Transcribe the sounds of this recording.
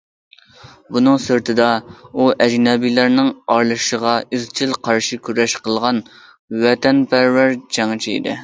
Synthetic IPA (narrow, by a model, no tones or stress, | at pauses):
bunɨŋsyɾt̪ʰɪd̪ɑuʔɛd͡ʒnɑbilæɾnɪŋɑɾlˠɨʃəʁɑyzt͡ʃʰilqʰɑɾʃikʲʰyɾɛʃqəlˠʁɑn | wɛt̪ʰɛnpʰæɾvæɾd͡ʒɛŋt͡ʃʰiḭd̪ɪ̰